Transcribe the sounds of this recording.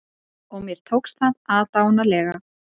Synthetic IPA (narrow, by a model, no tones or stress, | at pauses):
ɔɣmjɛɾ̥t̪ʰowksθaðaðt̪aːwnalɛːɣa